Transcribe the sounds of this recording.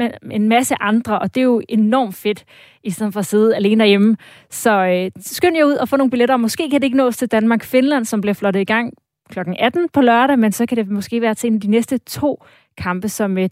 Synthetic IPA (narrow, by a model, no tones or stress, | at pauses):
eenmæsəʔɑ̈nd̥ʁɐʔɒ̽d̥e̝jo̝e̝nɒ̰ːmd̥fe̝d̥ | isɒnn̩fɒ̽se̝ːð̞̩ˠæle̝ːnəd̥ɐjemə | sɒ̽øsɡ̥øn̰jɑ̈uð̰ˠɒfɔ̽no̝ːŋb̥ileɾɐɒmɔ̽sɡ̥e̝̰ːkʰæd̥e̝eɡ̥ənɔ̰̽ːst͡sʰe̝ld̥ænmɑ̈ːɡ̥fe̝nlæn̰sɒ̽mb̥liɐflɒɾ̥ð̩ˠiɡ̥ɑ̈ŋ̰ | kʰlɒ̽ɡ̥ŋ̩æd̥n̩pʰɒ̽lɶɐɾæmensɒ̽kʰæd̥e̝mɒ̽sɡ̥e̝̰ːʋæːɐt͡sʰe̝e̝næd̥inesd̥ət͡sʰo̝̰ː | kʰɑ̈mb̥əsɒ̽m